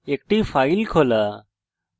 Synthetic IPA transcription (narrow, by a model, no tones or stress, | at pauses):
ek̚ʈiːfailkʰola